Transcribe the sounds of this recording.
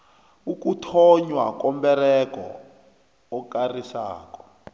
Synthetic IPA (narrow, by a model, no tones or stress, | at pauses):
ukutʰɔɲwa̰kɔmbɛrɛkɔ̰ː | karisa̰ːkɔ̥